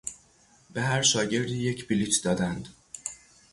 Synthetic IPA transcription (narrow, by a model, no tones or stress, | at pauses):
b̥e̞ɦæɾʃɒːɟe̞ɾd̪iːje̞cʰbilit͡ʃ̪ʰd̪ɒːd̪ænd̪